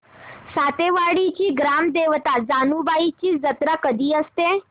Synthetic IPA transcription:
sat̪eʋaɽit͡ɕiːɡɾamd̪eʋt̪ad͡zanuːbait͡ɕiːd͡zət̪ɾakəd̪ʱiːəst̪e

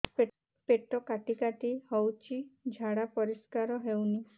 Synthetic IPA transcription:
p | peʈɔkaʈikaʈihɔwt͡ʃʰid͡ʒʱaɽapɔɾiskaɾɔɦewni

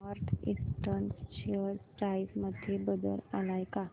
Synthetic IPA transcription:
əɾt̪ʰĩsʈənst͡ɕəpɾaisməd̪ʱjebəd̪ə̰lalajka

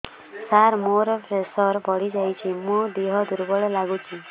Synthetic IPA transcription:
saɾmoɾɔpʰɾesɔɾbɔɽid͡ʒajt͡ʃʰimud̪iɦɔd̪uɾbɔɭɔlaɡut͡ʃʰi

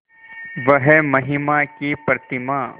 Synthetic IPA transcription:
ʋɐɦɛmɐɦɪmakipɾt̪ɪmaː

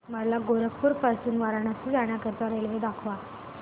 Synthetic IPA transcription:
məɽlaɡoɾəkʰpuɾpəɾsuːnʋaɾaɳat͡ɕiːd͡zaɳ̃jakəɾt̪aɾelʋed̪akʰʋa

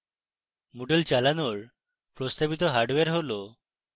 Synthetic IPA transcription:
muɖelt͡ɕalanoɭ | pɾɔst̪abit̪ɔɦaɾɖʋeɾɦolɔ

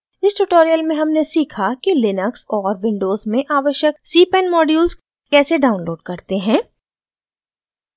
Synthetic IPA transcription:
ɪsʈuʈoːɾijəlmẽɦɐmnesiːkʰakilɪnəksɔːɾʋɪ̃ɳɖoːzmẽʔaːʋəʃjəksiːpɛ̃nmɔːɖjuːlz | kɛːseɖaːʊ̃nloːɖ̚kɐɾt̪eɦɛ̃ː

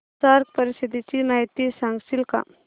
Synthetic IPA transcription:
saɾk̚pəɾisid̪it͡ʃinajt̪isãŋɡsilka̰

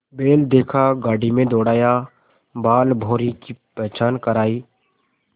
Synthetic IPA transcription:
beːld̪eːkʰaɡaːɖimẽd̪oːɽaːja | baːlbʱoːɾikipɾɛɦt͡ʃaːnkəɾaːiː

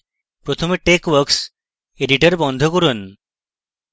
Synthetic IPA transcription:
pɾot̪ʰomeʈekwəɾks | eɖiʈəɾbɔnd̪ʱokoɾun

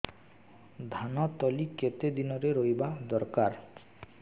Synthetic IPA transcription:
d̪ʱanɔt̪ɔliket̪ed̪inɔɾeɾojbad̪ɔɾkaɾ

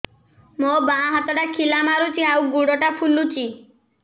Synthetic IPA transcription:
mobãɦat̪ɔʈakʰilamaɾut͡ʃʰiawɡuɽɔʈapʰulut͡ʃʰi

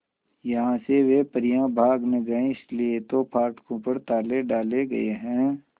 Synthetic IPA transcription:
jɐɦãːseʋepəɾɪjãbʱaːɡmẽɡɐẽɪsliet̪opʰaːɾʈkõpɐɾt̪aːleɖaːleɡɐ̰ḛɦɛ̃ː

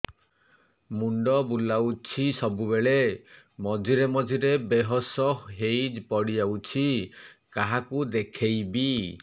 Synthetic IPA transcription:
muɳɖɔbulawt͡ʃʰisɔbubeɭe | mɔd͡ʒʱiɾemɔd͡ʒiɾebeɦɔsɔɦɦejd͡ʒpɔɽid͡ʒawt͡ʃʰikaɦakud̪ekʰejbi

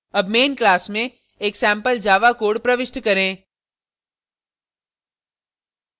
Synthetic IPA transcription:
ɐbmeːnklaːsmẽ | eːksɛ̃ːmpəld͡ʒaːʋakoːɽpɾɐʋɪʃʈkɐɾẽː

